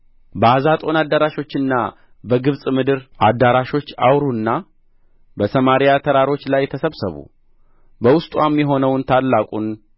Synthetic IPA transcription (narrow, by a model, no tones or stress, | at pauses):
bəazat̪ʼo̞nad̪ːaɾaʃo̞t͡ʃːɨnːa | bəɡɨβsʼmɨd̪ɨɾʔad̪ːaɾaʃo̞t͡ʃːa̰wɾunːa | bəsəmaɾijat̪ʰəɾaɾo̞t͡ʃːlajːɛt̪ʰəsəβsəβṵ | bəwʊst̪ʼwamːjɛɦo̞nəwnt̪ʰalːakʼun